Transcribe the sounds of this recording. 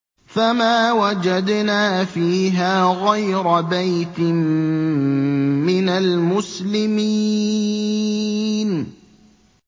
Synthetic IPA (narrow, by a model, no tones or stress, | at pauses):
famaːwad͡ʒad̪naːfiːɦaːɣajɾabajt̪ɪm | ɪnalmʊslɪmi | n